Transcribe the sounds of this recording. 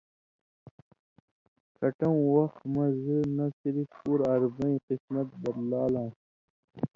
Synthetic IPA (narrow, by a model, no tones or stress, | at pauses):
kʰɐʈɐũwɐxt̪mɐ̃zɨnɐsiɾifpuɾɐɾbɐĩqismɐt̪̚bɐd̪laːlãː